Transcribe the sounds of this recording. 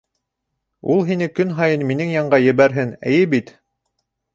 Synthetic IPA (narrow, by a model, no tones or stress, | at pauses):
ulˠɦinɘkɵnɦɑjɤnminɘŋjɑɴɢɑjɘ̆βæɾɦɘnæ̰jɘbit̪